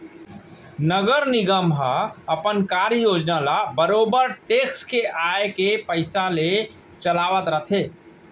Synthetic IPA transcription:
nəɡəɾniɡəmɦaəpənkaɾəjod͡ʒnalabəɾoːbəɾʈekskeʔaekepəɪsale | t͡ʃəlaʋət̪ɾət̪ʰe

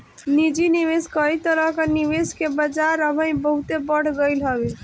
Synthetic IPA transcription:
nid͡ʒiniʋeskəit̪əɾəkəniʋeskebəd͡ʒaɾəbʱənibəɦut̪ebəɽ̤ɡəjlɦəbe

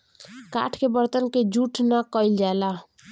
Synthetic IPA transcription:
ka̰ʈʰkebəɾt̪ənked͡ʒuʈʰnakəild͡ʒaela

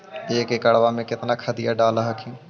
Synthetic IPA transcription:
eːkekɐɽʋamẽkɪt̪nakʰɐd̪ɪjaɖaːləɦɐkʰĩː

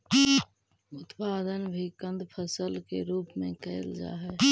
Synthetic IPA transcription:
ʊt̪paːd̪ənbʱikə̃nd̪pʰəsəlkeɾuːpmẽkəɪld͡ʒa̰ːɦɛː

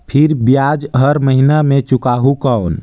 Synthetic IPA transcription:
pʰiɾbjad͡ʒɦəɾməɦinamẽt͡ʃukaɦukəon

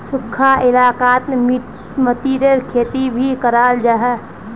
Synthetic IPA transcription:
sʊkʰːaʔɪlaːkaːt̪mmi | mət̪iːɾeɾkʰeːt̪ibʱikəɾaːld͡ʒaːɦɛː

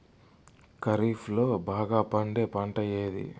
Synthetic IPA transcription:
kɐɾiːfʰlo̞ːbaːɡaːpɐɳɖe̞ːpɐɳʈɐje̞ːd̪ḭ

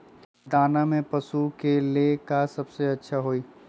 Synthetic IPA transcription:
d̪aːnamẽpɐsukelekasɐbseɐtːʃʰaɦoiː

